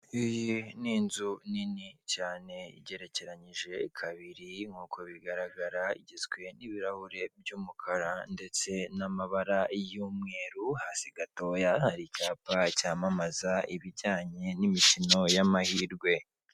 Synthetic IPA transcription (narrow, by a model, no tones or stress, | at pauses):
ijiniːnzuninicaːne̞ḭɟe̞ɾe̞ce̞ɾaɲiʒe̞kʰaβiɾiŋhuːkʰo̞βiɡaɾaɡaɾaḭɟezɡwe̞niβiɾahuɾe̞bjuːmukʰaɾande̞t͡se̞namaβaɾajumŋe̞ːɾuhaːsiɡato̞ːjahaɾicaːpacaːmamazaiβiɟaːɲe̞nimicino̞jamahiːɾɡwe̞